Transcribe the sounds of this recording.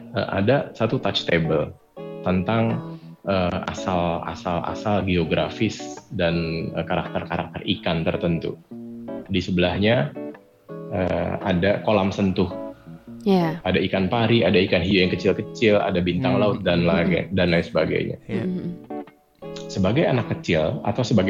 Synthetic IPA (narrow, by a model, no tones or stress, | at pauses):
ə̰ʔa̰dasat̪ut̪at͡ʃt̪ebəl | t̪ənt̪aŋəa̰sala̰salʔa̰salɡioɡɾafɪsdanəkaɾak̚t̪ərkaɾak̚t̪ərʔikant̪ərt̪ənt̪ṵ | disəbəlahɲa | ʔə̰adakolamsənt̪ʊh | jaadaikanpaɾiadaikanɦiojaŋkət͡ʃɪlkət͡ʃɪla̰dabint̪aŋlaʊt̪̚danlaɡa̰danlajsəbaɡa̰jɲa̰ | səbaɡajanakːət͡ʃɪla̰t̪awsəbaɡ